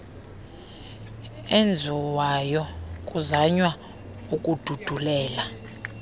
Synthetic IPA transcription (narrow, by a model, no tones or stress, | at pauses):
end͡zʱuwajɔkʼuzaɲwa | ukʼud̥ʱud̥ʱulɛːla